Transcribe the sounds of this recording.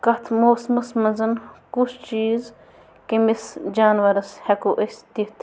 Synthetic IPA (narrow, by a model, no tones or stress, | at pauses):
kɐt̪ʰmoːsmɐsmɐnzɐnkut͡ʃʰt͡ʃiːz | kemisd͡ʒaːnʋɐɾɐshekoʔest̪it̪ʰ